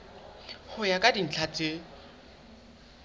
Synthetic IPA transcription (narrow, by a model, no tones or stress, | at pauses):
hʊjakʼadin̩t͡ɬʰat͡sʼe